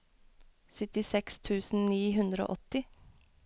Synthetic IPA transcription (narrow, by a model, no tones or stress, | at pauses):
sʏt̪ɪsɛkst̪ʰʉːsn̩niːɦʉnd̪ɾo̰ːʔɔt̪ɪ